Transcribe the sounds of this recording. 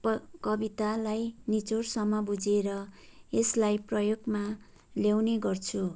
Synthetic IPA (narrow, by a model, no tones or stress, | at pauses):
kʌbit̪alajnit͡sorsʌmːʌbud͡zeɾʌeslajprʌjoɡma | ljawneɡʌrt͡sʰu